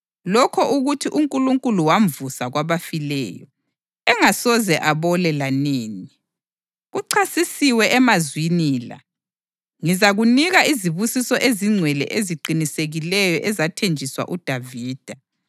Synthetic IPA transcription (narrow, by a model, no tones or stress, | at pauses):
lɔkʰɔʔuɣutʰiʔuŋkʼuluŋkʼuluwaɱvusaɣwaβafilɛ̰ːjɔ | ɛŋasɔzɛʔaβɔlɛlaneːni | ɣuǀʰasisiwɛʔɛmazwiniːla̰ | ŋizaɣuniɣaiziβusisɔʔeziŋ͡ǀʱwɛlɛ̰ʔeziǃiniseɣilɛjɔʔɛzatʰend͡ʒʱiswa̰ʔud̥ʱaviːd̥ʱa